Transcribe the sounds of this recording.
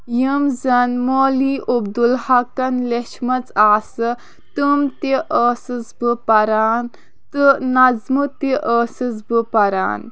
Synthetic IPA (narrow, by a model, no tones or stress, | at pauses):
jəmzɐnmoːliʔob̚d̪ulhɐkɐnleʃmɐt͡saːsɨ | t̪ɨmt̪eʔəːsɨzbɨpɐɾaːn | t̪ɨnɐzmɨt̪eʔəːsɨzbɨpɐɾa̰ːn